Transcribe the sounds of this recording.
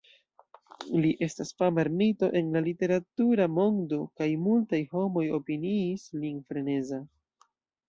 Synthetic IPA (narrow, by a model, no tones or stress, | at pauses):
liʔe̞stasfamaɾmito̞ʔe̞nlalite̞ɾatuɾamo̞ŋdo̞kajmultajho̞mo̞jo̞piniːslinfɾe̞ne̞za